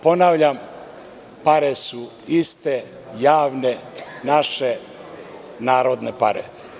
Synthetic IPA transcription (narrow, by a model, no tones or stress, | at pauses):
ponaːʋʎam | paɾesu | ist̪e | jaːʋnenaʃe | naːɾod̪nepa̰ɾḛ